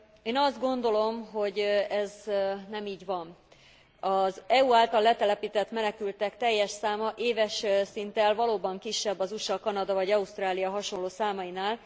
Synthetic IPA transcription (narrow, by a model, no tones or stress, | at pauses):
eːnɒzd̪̚ɡo̞nd̪o̞lo̞mɦo̞ɟɛznɛmiːɟvɒn | ɒzɛuaːlt̪ɒlːɛt̪ɛlɛpiːt̪ɛt̪mɛnɛkylt̪ɛkt̪ɛjːɛʃsaːmɒʔeːvɛʃsint̪ɛlvɒloːbɒŋkiʃːɛbːɒzuʃɒkɒnɒd̪ɒvɒɟɒust̪raːlijɒɦɒʃo̞nlːoːsaːmɒinaːl